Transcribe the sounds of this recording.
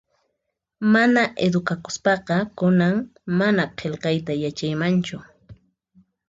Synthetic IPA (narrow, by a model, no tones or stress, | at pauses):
manaʔed̪ʊkakʊ̥spɑqɑkʊnaŋmanaqʰelqɑjt̪ajat͡ʃajmant͡ʃʊ